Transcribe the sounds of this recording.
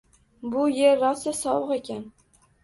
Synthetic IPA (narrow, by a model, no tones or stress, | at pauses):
bʊje̞ɾːɒsɪsɒwɨqe̞kʲan